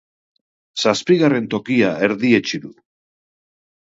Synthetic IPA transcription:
saspiɣare̞nt̪o̞kiaeɾðiet͡ʃiðu

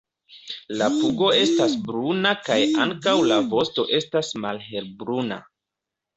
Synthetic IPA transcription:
lapuɡo̞e̞stasbɾunakajaŋkawlavo̞sto̞ʔe̞stasmalɦe̞lbɾuna̰

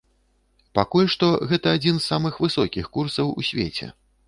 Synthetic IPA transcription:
pakulʲʂt̪ɔɣɛt̪ɐad͡zʲinsːamɨxvɨsɔkʲixkursɐwṵsʲvʲḛt͡sʲɛ̰

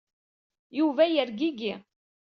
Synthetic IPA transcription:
juvæjəɾɡiɡi

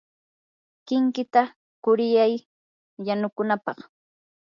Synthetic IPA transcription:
kɪŋkɪt̪a | kʊɾɪjaj | janʊkʊnapɑχ

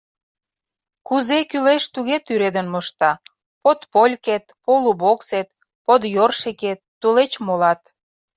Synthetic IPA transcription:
kuzekyleʃt̪uɣet̪yɾed̪ənmoʃt̪ɑ | pot̪polʲket̪̚poluβokset̪ | pod̪jorʃeket̪ːulet͡ɕmolɑt̪

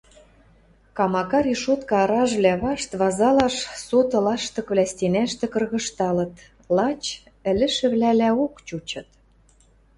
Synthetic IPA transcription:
kɑmɑkɑɾiʃot̪kɑɑɾɑʒβlæβɑʃt̪βɑzɑlɑʃsot̪ɤ̆lɑʃt̪ɤ̆kβlʲæst̪enæʃt̪ĕkɤ̆rɣɤ̆ʃt̪ɑlɤ̆t̪ | lɑt͡ɕ | ɘ̆lɘ̆ʃɘ̆βlælæokt͡ɕut͡ɕɤ̆t̪

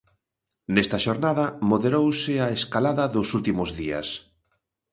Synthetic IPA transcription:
nɛst̪ɐʃoɾnaðɐmoðeɾowsɪaeskalaðɐðʊsult̪imʊzðiɐ̰s

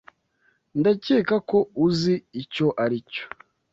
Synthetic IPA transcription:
ndaceːkako̞uziːco̞ʔaɾico̥

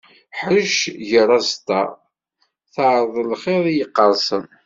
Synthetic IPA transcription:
ħəʃʝəɾˤːɑzt̪ɑ̰ | θəʕɾˤəðˤlχeðˤijəqːəɾˤsən

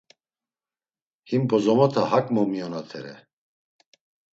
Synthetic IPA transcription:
himbɔzɔmɔt̪ʰahakʼmɔmijɔnat̪ʰɛɾɛ̰

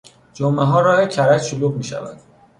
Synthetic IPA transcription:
d͡ʒomʔeɦɒːɾɒːhecʰæɾæcʃoluːɣmiːʃæ̰væ̰d̪̥̚

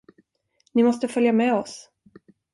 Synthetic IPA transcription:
nɪmɔst̪əfœljamɛːɔs

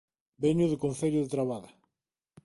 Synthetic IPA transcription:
beɲuðʊkonθeʎʊðet̪ɾaβaða

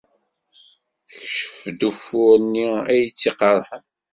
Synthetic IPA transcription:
θəçʃə̥fd̪ufʊɾnːiæjt͡sːiqɑɾˤħən

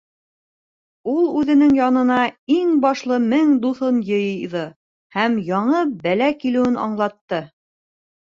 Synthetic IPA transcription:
ulˠʉðɘ̆nɘŋjɑnɤ̆nɑiŋbɑʃlˠɤmɘŋd̪uθonjɤ̆jðɤ | hæmjɑɴɤbælækilɘ̆wɘnɑ̰ɴlˠɑt̪ːɤ

